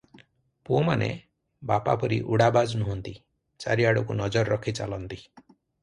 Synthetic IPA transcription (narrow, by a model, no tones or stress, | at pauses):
puɔmanḛ | bapa̰pɔɾiʔuɽabad͡ʒnɔɦɔnt̪i | t͡ʃa̰ɾiaɽɔkunɔd͡ʒɔɾɾɔkʰit͡ʃa̰lɔnt̪i